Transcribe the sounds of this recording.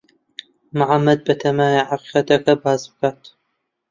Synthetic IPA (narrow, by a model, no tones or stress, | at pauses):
maʕamːɐd̪̚bɐt̪ʰɐmaːjaʕaqiːqɐt̪ʰɐkʰɐbaːzbɨkʰaːt̪ʰ